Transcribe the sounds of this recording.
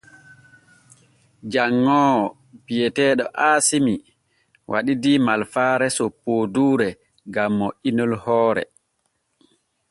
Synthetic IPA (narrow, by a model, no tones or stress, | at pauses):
d͡ʒaŋːɔ | pijɛtɛːɗɔʔaːsimi | wʔa̰ɗidimalfaːɾɛsɔpoduːɾɛ | ɡamːɔʔinɔlhɔːɾɛ̰